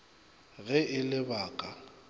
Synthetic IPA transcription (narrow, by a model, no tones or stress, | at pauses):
ɣɛʔɪlɪbaːkʼa